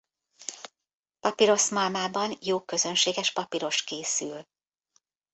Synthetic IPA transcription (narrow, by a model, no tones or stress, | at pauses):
pɒpiɾo̞smɒlmaːbɒnjoːkø̞zø̞nʃeːɡɛʃpɒpiɾo̞ʃkeːsyl